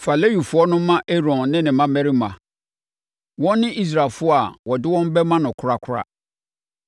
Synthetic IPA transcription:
fa˨le˦ju˨fʊ˦ɔ˦nʊ̃˦mã˦ʔe˦ɾɔ̃˨nnɪ̃˦nɪ̃˨mã˦mɛ˦ɾi˦mã˨ | wɔ̃˦nː˦ɪ̃˦ʔi˦s̬ɾa˨fʊ˦ɔ˦a˨wɔ˨dɪ˦wɔ̃˦m˦bɛ˦mã˦nʊ̃˨kʰʊ˨ɾa˦˨kʰʊ˦ɾa̰˦

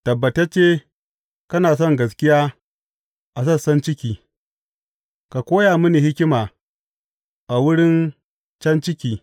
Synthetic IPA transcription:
tɐ˨bːɐ˨tɐ˦t͡ʃːeː˦ | kɐ˦naː˨s̬ɔ˦ŋɡɐ˨s̬kʲɪ˦jaː˦ | ʔa˨s̬ɐ˦˨sɐ˦nt͡ʃɪ˦kʲiː˨ | ka˨kʷoː˦jaː˨mʊ˦ni˨hɪ˦kʲɪ˦maː˨ | ʔa˨wʊ˦ɽɪ˦n | t͡ʃɐ˦nt͡ʃɪ˦kʲiː˨

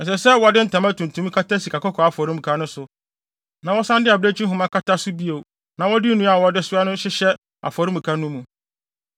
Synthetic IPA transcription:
ɛn̩˨s̬ɛ˨sɛ˦wɔ˨dɪ˦n̩˦tʰã˨ma˦tũ˨n˨tʰũ˦m˦kʰa˦ta˦si˨kʰa˨kɔ˦kʰɔ˨a˨fɔ˨ɾĩ˦m̩˨kʰa˦nʊ̃˦sʊ˨ | nã˨wɔ˦sã˦ndɪ˦a˨be˦t͡ɕʰi˦ɦʊ̃˨˦mã˦kʰa˦tʰa˦sʊ˦bi˦o˨ | nã˨wɔ˦dɪ˦nũ˦a˨wɔ˦dɪ˦sʊ˦a˦nʊ̃˦ɕɪ˦ɕɛ˦ | a̰˨fɔ˨ɾɪ˦mũ˨kʰa˦nũ˦mũ˨

